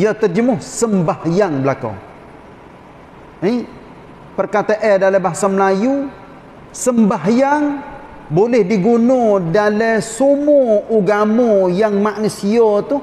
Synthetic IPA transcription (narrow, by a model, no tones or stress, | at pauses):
jɔt̪ərd͡ʒəmʊhsəmbahjaŋbəlako̰ | i | pərkat̪aʔɛdaləbaɦasaməlaju | səmbaɦjaŋ | bolɛhdiɡunodalesumuuɡamojaŋmaʔnusiot̪u